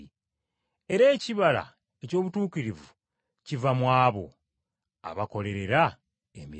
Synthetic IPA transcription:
e̞ɾe̞ːciβala̰ | eco̞ːβutuːkiɾivu | civamwaːβo̞̰ | a̰βako̞le̞ɾe̞ɾa | emi

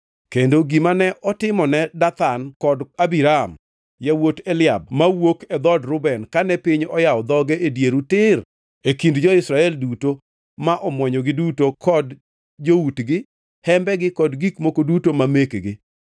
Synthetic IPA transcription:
kendoɡimanɛʔɔtɪmɔnɛdat̪ankɔdabiɾam | jawotelɪab̚mawokɛd̪ɔdɾʊbɛnkanɛpɪɲɔjaɔd̪ɔɡɛedjeɾutɪr | ekindd͡ʒɔɪsɾaɛlduto | maʔɔmwɔɲɔɡɪdutokʰɔd | d͡ʒowutɡɪ | hɛmbɛɡɪkɔdɡikmokodutomamekɡɪ

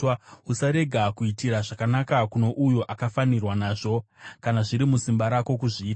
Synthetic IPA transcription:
usaɾe̞ɡʱakuitiɾaʐakanakakuno̞ʔujoʔakafanirwanaːʐo̞kanaʐiɾimusimbaɾako̞kuʐiːta

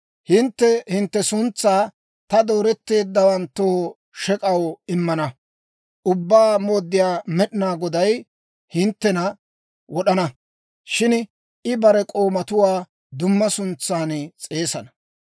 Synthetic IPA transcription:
hɪnt̪ːɛhɪnt̪ːɛsʊnt͡sːaː | t̪ɐd̪o̞ːɾɛt̪ːe̞ːd̪ːɐwɐnt̪ːo | ʃɛkʼɐwɪmːɐnɐ | ʔʊbːaːmo̞ːd̪ːɪjaːmɛɗɪnaːɡɔd̪ɐj | hɪnt̪ːɛnɐ | wɔɗɐnɐ | ʃɪn | ɪbɐɾɛkʼo̞ːmɐt̪ʊwaː | d̪ʊmːɐsʊnt͡sːaːnt͡sʼe̞ːsɐnɐ̥

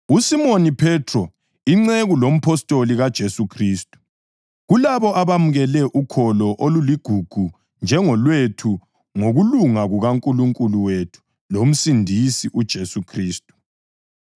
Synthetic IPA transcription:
usimonipʰɛtʰrɔ | iŋ͡ǀeɣulom̩pʰɔstʼoliɣad̥ʒ̥ʱesukʰriːstʼu̥ | ɣulaβɔʔaβamuɣɛlɛʔukʰɔlɔʔoluliɡ̥ʱuɡ̥ʱu | nd͡ʒʱɛŋɔlwetʰu | ŋoɣuluŋaɣuɣaŋkʼuluŋkʼuluwetʰu̥ | lom̩sindʱisiʔud̥ʒ̥ʱesukʰriːstʼu̥

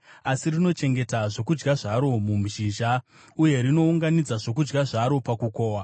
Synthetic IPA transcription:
asirino̞t͡ʃe̞ŋɡe̞taʐo̞kud͡ʒɡaʐaɾo̞mum̤iʃiʒa | uje̞ɾino̞uŋɡanid͡zaʐo̞k̬ud͡ʒɡaʐaɾo̞pakukoːwa

